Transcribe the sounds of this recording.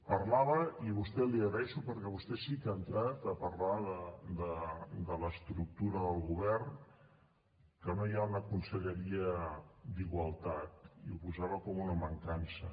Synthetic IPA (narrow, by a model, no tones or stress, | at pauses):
pəɾlaβəiβust̪ɛliəɣɾəɛʃupəɾkɛβust̪ɛsikənt̪ɾat̪əpəɾlaðəd̪əd̪ələst̪ɾuk̚t̪uɾəðəlˠɣuβɛrn | kənojaunəkunsəʎəɾiəd̪iɣwəlˠt̪at̪iupuzaβəkɔmunəməŋkansə̰